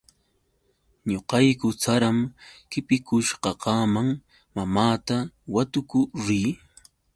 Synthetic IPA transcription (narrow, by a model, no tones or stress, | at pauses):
ɲoqɑjkʊt͡saɾamkɪpɪkʊʃqɑɢɑːmaŋ | mamaːt̪awat̪ʊkʊɾiː